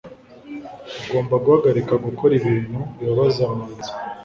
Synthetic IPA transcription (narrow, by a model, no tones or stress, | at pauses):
uɡo̞ːmbaɡuhaɡaɾikaɡukʰoɾiβiːn̥hujoβazanze̥